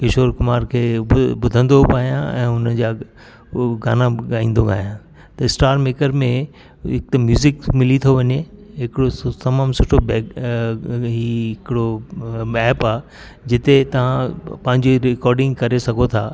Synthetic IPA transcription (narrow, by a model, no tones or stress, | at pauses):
kɪʃoːɾkʊmaːɾkʰeːbʊd̪ʱə̃nd̪opaːjãɛ̰̃ːʊnəd͡ʑaː | ɡa̰ːnaɡaːĩːnd̪oɡa̰ːjã | t̪ɐɪsʈaːɾmeːkəɾmẽ | ɦɪk̚t̪emjuːzɪkmɪlit̪ʰoʋɐɲeɦɪkɪɽot̪ɐmaːmsʊʈʰobɛ | ɦiɦɪkɪɽobɛːpaːe | d͡ʑɪt̪et̪ɐʋ̤ãpɐ̃ɦɪ̃ɲd͡ʑiɾɪkɔːɾɖɪ̃ŋɡkɐɾesɐɡʱot̪ʰaː